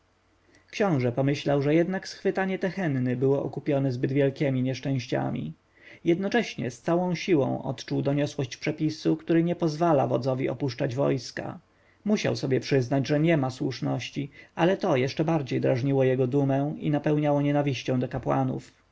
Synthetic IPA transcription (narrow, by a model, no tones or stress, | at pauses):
kɕɔ̃w̃ʐɛpɔmɘɕlawʐɛjɛd̪naksxfɘt̪aɲɛt̪ɛxɛnːɘbɘwɔʔɔkupʲjɔnɛzbɘd̪vʲjɛlkʲɛmʲiɲɛʂt͡ʂɛ̃ɕt͡ɕa̰mʲḭ | jɛd̪nɔt͡ʂɛɕɲɛ̰st̪sawɔ̃w̃ɕiwɔ̰̃w̃ʔɔ̰t̪t͡ʂuwd̪ɔɲɔswɔɕt͡ɕpʂɛpʲisukt̪uɾɘɲɛpɔzvala̰vɔd̪zɔvʲiɔ̰puʂt͡ʂad͡ʑvɔ̰jska̰ | muɕa̰wsɔbʲjɛpʂɘznad͡ʑʐɛɲɛmaswuʂnɔɕt͡ɕialɛt̪ɔjɛʂt͡ʂɛbaɾd͡ʑejd̪ɾaʐɲiwɔjɛɡɔd̪umɛ̃ḭnapɛwɲawɔɲɛnavʲiɕt͡ɕɔ̃w̃d̪ɔkapwa̰nṵf